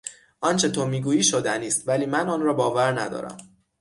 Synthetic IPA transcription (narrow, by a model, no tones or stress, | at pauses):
ʔɒnt͡ʃʰe̞t̪ʰomiːɡuːjiːʃod̪æniːst̪væliːmænɒnrɒːbɒːvæɾnæd̪ɒ̰ːɾæ̰m